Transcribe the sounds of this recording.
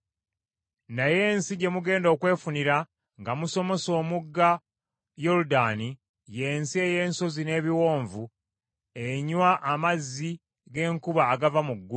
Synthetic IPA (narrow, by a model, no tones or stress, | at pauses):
naje̞ːnsiɟe̞muɡe̞ːndo̞ːkwe̞ːfuniɾa | ŋɡamuso̞mo̞so̞ːmuɡːa | jo̞ɾudani | je̞ːnsie̞je̞ːnso̞zine̞ːβiwo̞ːɱvu | e̞ɲwaʔːmazːi | ɡe̞ːŋkuβaːɡavamuɡːu